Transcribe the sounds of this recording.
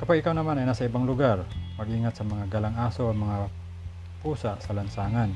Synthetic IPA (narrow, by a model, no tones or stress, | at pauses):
kɐpaɡɪkawnɐmanɐjnasaɪbaŋlʊɡaɾmɐɡʔiːŋat̪sɐmɐŋaɡalaŋʔaːsoʔamɐŋa | puːsaʔsɐlɐnsaːŋan